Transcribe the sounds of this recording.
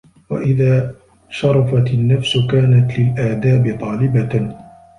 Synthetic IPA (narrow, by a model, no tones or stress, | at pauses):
wa̰ʔɪðaː | ʃɑɾˤɑfat̪ɪnːafsʊkaːnat̪lɪlʔaːd̪aːbɪt̪ˤɑːlɪba